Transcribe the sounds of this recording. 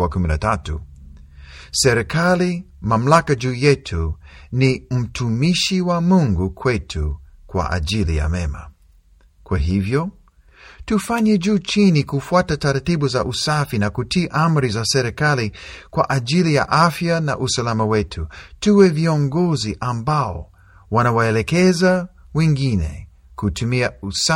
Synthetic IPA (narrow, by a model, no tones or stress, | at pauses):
akuminatatṵ | sɛɾɛkʰali | mam̩lakad͡ʒuːjɛtʰunim̩tʰumiʃiwamuŋɡukʰwɛtʰukwa̰ʔa̰ʄilḭja̰mɛma̰ | kwaɦivjɔ | tufaɲɛd͡ʒuːt͡ʃinikufuatataɾatiɓuza̰ʔusafinakutiːʔam̩ɾizasɛɾikalikwa̰ʔaʄilija̰ʔafjana̰ʔusalamawɛtʰutuwɛviɔŋɡɔziʔambaɔ̰ | wanawaɛlɛkɛza | wɛŋɡinɛ̰ | kutʰumiausa